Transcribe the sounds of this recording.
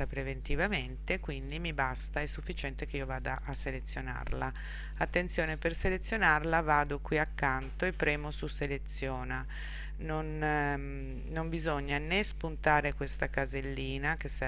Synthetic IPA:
apɾevent̪ivament̪ekwind̪imibast̪aɛsːufːit͡ʃɛnt̪ekeiːovaːd̪aʔasːelet̪sːjona̰rla | at̪ːent̪sjoːneperselet̪sːjonarlavaːd̪okwiakːant̪oepːɾɛːmosuselet̪sːjoːna | non | nombizoɲːanespunt̪aːɾekwest̪akazelːiːnakes

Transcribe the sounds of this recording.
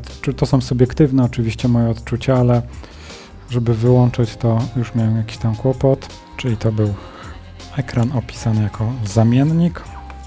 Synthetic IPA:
ɘt̪ɔsɔ̃w̃subʲjɛkt̪ɘvnɛɔt͡ʂɘvʲiɕt͡ɕɛmɔjɛɔt̪t͡ʂut͡ɕaalɛ | ʐɛbɘvɘwɔnt͡ʂɘt͡ɕt̪ɔjuʂmʲjawɛmjakʲi̥ɕt̪amkwɔpɔt̪ | t͡ʂɘlʲit̪ɔbɘw | ɛkɾanɔpʲi̥sanɘjakʰɔzamʲjɛnɲik

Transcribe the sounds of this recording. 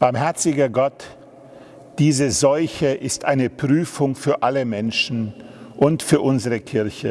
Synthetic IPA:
b̥aɐmhɛɐt͡sɪɡɐɡɔt | d̥iːzəzɔlçəʔɪstʔaɪnəpʁ̥yːfʊŋfyːɐʔaləmɛnʃn̩ʔʊntfyːɐʔʊnzəʁəkʰɪɐçə̰

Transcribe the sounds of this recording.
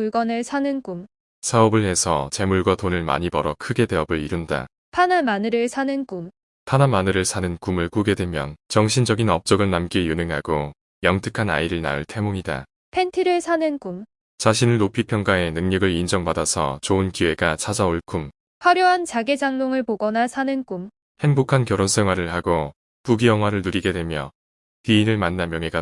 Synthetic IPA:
uɭɡʌnɯɭsʰanɯnkum | sʰaʌbɯɭɦe̞sʰʌt͡ɕe̞muɭɡwatonɯɭma̰ɲibʌɾʌkʰɯɡe̞de̞ʌbɯɭiɾunda̰ | pʰanamanɯɾɯɭsʰanɯnkum | pʰanamanɯɾɯɭsʰanɯnkumɯɭk͈uɡe̞dwe̞mjʌnt͡ɕʌŋɕʰind͡ʑʌɡinʌp̚t͡ɕ͈ʌɡɯɭnamk͈ijunɯŋɦaɡo | jʌŋtʰɯkʰana̰iɾɯɭna̰ɯɭtʰe̞moŋida̰ | pʰe̞ntʰiɾɯɭsʰanɯnkum | t͡ɕaɕʰinɯɭːopʰipʰjʌŋɡae̞nɯŋɲʌɡɯɭind͡ʑʌŋpadasʰʌ̰t͡ɕoɯnkiwe̞ɡat͡ɕʰad͡ʑaoɭkʰum | ɸwaɾjuɦant͡ɕaɡed͡ʑaŋnoŋɯɭpoɡʌnasʰanɯnkum | he̞ŋbokʰankjʌɾonsʰe̞ŋɦwaɾɯɭhaɡo | puɡijʌŋɦwaɾɯɭnuɾiɡe̞dwe̞mjʌ | tiːnɯɭmanːamjʌŋe̞ɡa

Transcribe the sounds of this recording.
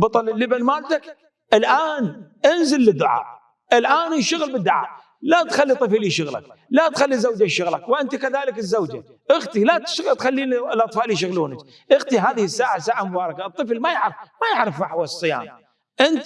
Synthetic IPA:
bɑt̪ˤɑllːibanmaːt̪ak | ʔɪlʔaːnʔɪnzɪlːɪd̪ːʊʕa̰ː | ʔɪlʔaːnɪʃʊɣəlbɪd̪ːʊʕa̰ː | lat̪xalːit̪ˤːɨflːiʃʊɣla̰k̚lat̪xalːizːawd͡ʒaʃʊɣlakwʔɪnt̪akaðaːlɪkɪzːawd͡ʒa | ʔɪɣt̪ilat̪ʃɣt̪xalːiːnilʔɑt̪ˤfɑːʔlijʃ̬ʊɣluːnak | ʔɪɣt̪iɦaːðɪhɪsːaːʕasaːʕamʊbɑːɾˤɑkaɨt̪ˤːɨflmajɪʕɾɪfmajɪʕɾɑfaħwasˤːɨja̰ːm | ʔɪnt̪

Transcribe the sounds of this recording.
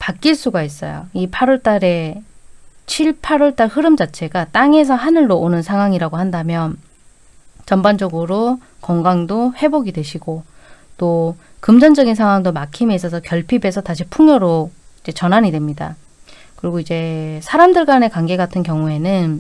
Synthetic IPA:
pak͈iɭs͈uɡais͈ʌ̰jo̰ipʰaɾʌɭt͈aɾe̞ | t͡ɕʰiɭpʰaɾʌɭt͈aɭhɯɾɯmd͡ʑat͡ɕʰe̞ɡat͈aŋe̞s̬ʰʌɦanɯɭːoonɯnsʰaŋɦwaŋiɾaɡohandamjʌn | t͡ɕʌmband͡ʑʌɡɯɾo | kʌŋɡaŋdohe̞boɡidwe̞ɕʰiɡot͈o | kɯmd͡ʑʌnd͡ʑʌɡins̬ʰaŋɦwaŋdomakʰimiis̬͈ʌsʰʌkjʌɭpʰibe̞sʰʌtaɕ̬ʰipʰuŋjʌɾoid͡ʑe̞t͡ɕʌnɦaɲidwe̞mɲida̰ | kɯɾiɡoid͡ʑe̞sʰaɾamdɯɭɡane̞kwaŋɡe̞ɡatʰɯnkjʌŋue̞nɯn

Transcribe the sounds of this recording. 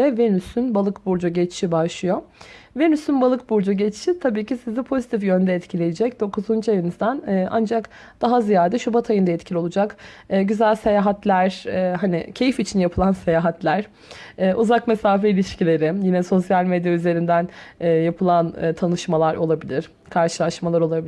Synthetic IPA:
ɛvenysynbalˠɯkbuɾd͡ʒuɟɛt͡ʃʃibaʃlˠɯjovenysynbalˠɯk̚buɾd͡ʒuɟɛt͡ʃʃit̪ʰabiːcisizd̪ɛpʰo̞zit̪ʰifjønd̪ɛːt̪cʰilʲejed͡ʒɛcd̪o̞kuzunt͡ʃʰajɯnɯzd̪anːʔa̰nd͡ʒak | d̪̥aɦazijaːɾd̪ɛʃubat̪ʰajɯnd̪aɛt̪cʰilʲio̞lˠud͡ʒakːɟyzælʲse̞jaːɦat̪ʰlʲæɾ̥ɛːɦanɪ̰cʰe̞jifit͡ʃʰinjapʰɯlˠanse̞jaːɦat̪ʰlʲæɾ̥ | ɛːʔuzakmesaːfɛilʲiʃcilʲe̞ɾɪjinɛso̞sjalʲmed̪jayze̞ɾind̪ænɛːjapʰɯlˠan̰ːt̪ʰanɯʃmalˠaɾo̞lˠabilʲiɾ̥ | kʰaɾʃɯlˠaʃmalˠaɾo̞lˠabil

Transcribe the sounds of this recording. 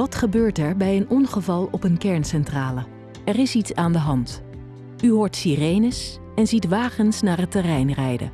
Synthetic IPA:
ʋɑtχəbøːɹtɛɹbɛjənɔnχəvɑlˠɔpənkɛɹnsɛntraːlə | ɛrɪsitsaːndəɦɑnt | yɦʊːɹtsirejnəs | ɛnzitʋaːχənsnaːɹɦətɛrɛjnrɛjdə̰

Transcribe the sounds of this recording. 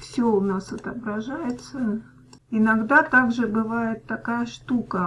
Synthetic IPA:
fsʲoʊnasɐt̪əbɾɐʐajɪt̪sə | ɪnɐɡd̪at̪aɡʐɨbɨvajɪt̪ːɐkajəʂt̪ukə

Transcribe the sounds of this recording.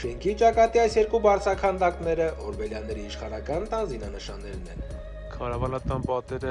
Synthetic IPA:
ʃɛŋkʰit͡ʃɑkɑt̪iɑjsjɛɾkubɑɾt͡sʰɾɑkʰɑnd̪ɑknɛɾəʔɔɾbɛljɑnːɛɾiːʃχɑnɑkɑnt̪ɑnzinɑnəʃɑ̰nːɛɾnɛ̰n | kʰɑɾɑvɑnɑt̪ɑnpɑt̪ɛɾə

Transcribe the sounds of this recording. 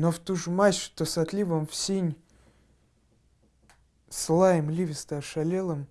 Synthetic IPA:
noft̪uʐɨmaɕʊ̥t̪osɐt̪lʲivəmfsʲenʲ | slˠajɪmlʲivʲɪst̪əɐʂɐlʲelˠəm

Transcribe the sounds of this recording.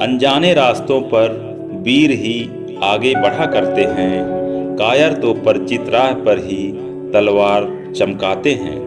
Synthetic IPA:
ə̰̃nd͡ʒaːneɾaːst̪õpɐɾ | biːɾɦi | aːɡebəɽ̤akɐɾt̪eɦɛ̃kaːjəɾt̪opəɾt͡ʃɪt̪ɾaːɦpəɾɦi | t̪ɐlwaːɾ | t͡ʃəmkaːt̪eɦɛ̰̃ː

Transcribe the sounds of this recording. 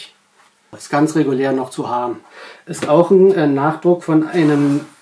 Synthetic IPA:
ɪstɡ̥ant͡sʁeɡuleːɐnɔχt͡suhaːbm̩ʔɛstaʊxn̩ɛnaːχd̥ʁʊkfɔnʔaɪnəm

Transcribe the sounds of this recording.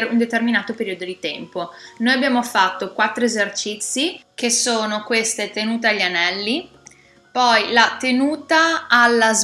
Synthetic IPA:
rund̪et̪erminaːt̪opeɾiːod̪od̪it̪ɛmponoːjabjaːmofat̪ːokwat̪ːɾoezert͡ʃit̪sːik̟esoːnokwest̪et̪enuːt̪eaʎːanɛlːi | pɔjlat̪enuːt̪aːlːaz

